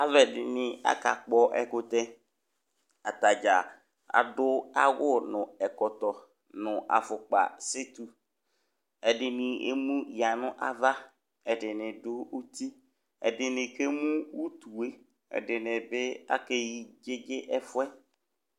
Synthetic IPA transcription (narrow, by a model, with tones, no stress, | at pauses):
a˦vɛ˨dɪ˨nɪ˨a̰˦ka˨k͡pɔ˦ʔɛ˨kʊ˦t̪ɛ˦ | a˨t̪a˨d͡ʒa˨ | a̰˨dʊ˦a˦wʊ˦nʊ̃˨ɛ˨kɔ˨t̪ɔ˨ | nʊ̃˨ʔa̰˨fʊ˨k͡pa̰˨sɪ˦t̪u˨ | ɛ˨dɪ˨nɪ˨ḛ˦mũ˦ja˨nʊ̃˦ʔa˦va˦ | ɛ˨dɪ˨nɪ̃˨dʊ˦u˦t̪i˦ | ɛ̰˨dɪ˨nɪ̃˨ke˦mũ˦wu˦t̪u˨e˦ | ɛ̰˨dɪ˨nɪ˨bɪ˦a̰˦ke˦ji˦d͡ʒe˦d͡ʒe˦ʔɛ˦fʊ˦ɛ˦